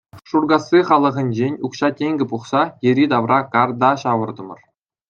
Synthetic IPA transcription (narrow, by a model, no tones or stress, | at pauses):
ʂurɡɑsʲːiχɑlˠɤ̆ʁɤ̆nʲd͡ʑenʲukɕɑtʲeŋʲɡʲɘ̆puχsɑjɘ̆ɾʲid̪ɑʋrɑkɑrd̪ɑɕɑʋɤ̆rd̪ɤ̆mɤ̆r